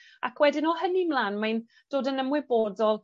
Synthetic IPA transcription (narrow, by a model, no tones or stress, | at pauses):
akʰwɛdɪnɔhənimlˠaːnmajn | d̥oːdənəmwɪbodɔlˠ